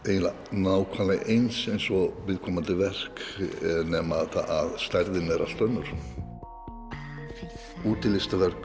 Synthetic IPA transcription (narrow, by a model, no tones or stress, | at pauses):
ej̪la | naːwkʰanlaʔejnsejnsɔvɪðkʰɔːmand̪ɪvɛr̥knɛmaðaðst̪aɾðɪnɛɾa̰st̪œnːʏɾ̥ | uːt̪ɪlɪst̪avɛɾk